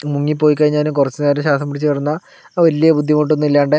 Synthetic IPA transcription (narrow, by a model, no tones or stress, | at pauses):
muŋːipːoːjik̬ːaːɻiɲaːnɨkurɐt͡ɕːɨneːɾɐɕ̬aːsɐmpɐɽit͡ɕːɨʋɐrunːɐ | ʋɐlijɐbud̪ʱːjɐmoʈ̬ːonːuilːaːɳɖe